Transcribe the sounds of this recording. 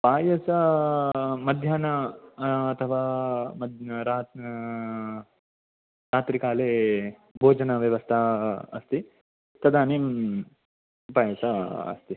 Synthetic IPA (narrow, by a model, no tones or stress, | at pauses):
paːjɐsɐ | mɐd̪ʱjaːnɐ | ɐt̪ʰɐʋaːmɐd̪ɾaː | ɾaːt̪ɾikaːleː | bʱoːd͡ʒɐnɐʋjɐʋɐst̪ʰɐɐ̰st̪i | t̪ɐd̪aːnim | paːjɐsɐɐ̰st̪i